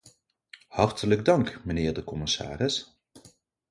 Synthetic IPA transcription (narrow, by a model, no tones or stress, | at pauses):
hɑɹtələɡ̚dɑŋkmənɪːɹdəkɔmɪsa̰ːrɪs